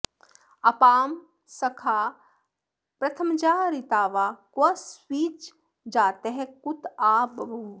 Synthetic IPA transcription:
ɐpaːm | sɐkʰaː | pɾɐt̪ʰəmt͡ʃaːɾit̪aːʋaːkwɐswiːt͡ʃ | d͡ʒaːt̪eɦɛ̃kut̪aːbɐbʱu

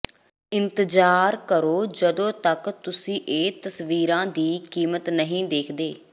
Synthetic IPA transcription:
ɪnt̪əd͡ʒaːɾkəɾoːd͡ʒəd̪õːt̪əkt̪ʊsĩːʔeːt̪əsʋiːɾãːd̪iːkiːmət̪nəɦĩːd̪eːkʰd̪eː

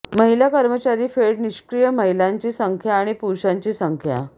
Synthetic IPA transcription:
məɦilakəɾmət͡ɕaɾiːfeɽniɕkɾijəməɦilaɲt͡ɕiːsəŋkʰjaːɽ̃ipuɾɕaɲt͡ɕiːsəŋkʰja̰

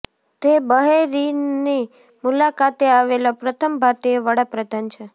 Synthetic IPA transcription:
t̪ebəɦeɾini | mulakat̪eaʋelapɾət̪ʰəmbʱat̪eeʋəɽapɾəd̪ʱant͡ʃʰe

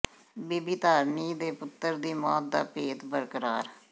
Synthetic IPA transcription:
biːbiːt̪aːɾniːd̪eːpʊt̪ːəɾd̪iːmɔːt̪̚d̪a̰ːpeːt̪bəɾkəɾaːɾ

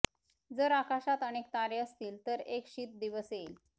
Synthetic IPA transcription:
d͡zəɾakaɕat̪əɽ̃ek̚t̪aɾeəst̪iːlt̪əɾekɕiːt̪̚d̪iʋəseil

